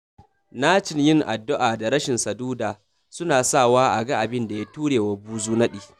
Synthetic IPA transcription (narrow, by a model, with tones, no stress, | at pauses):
naː˦t͡ʃɪ˨njɪ˦ŋʔa̰˨dːʊ˦ʔaː˨da˨ɽɐ˦ʃɪ˨nsɐ˨duː˦daː˨ | sʊ˦naː˨sa˦˨waː˦ʔa˨ɡa˦ʔa˨bɪ˦nda˨ja˦tuː˦ɽeː˨wa˦buː˦zuː˦nɐ˦ɗiː˨